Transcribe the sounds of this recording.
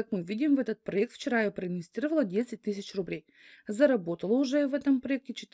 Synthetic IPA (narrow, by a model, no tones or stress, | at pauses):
akmɛvid̪ʲimvɛt̪ət̪̚pɾoɛk̚t̪ft͡ʃɛɾajopɾɛd̪ʲɡʲist̪ɾiɾvɐlˠəd̪ʲɛsʲɛt̪̚ʲːisʲɛt͡ʃɾʊblʲɛj | zɐɾɐbot̪əlˠəuʒɛvɛd̪əmpɾoɛk̚t̪it͡ʃɛt̪